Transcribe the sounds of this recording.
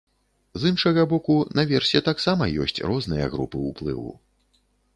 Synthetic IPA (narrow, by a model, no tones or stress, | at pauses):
zɨnʂɐɣɐbɔkunɐvʲɛrsʲɛt̪aksamɐjɔ̰sʲt͡sʲrɔznɨjɐ̰ɣɾupɨuplˠɨ̰wṵ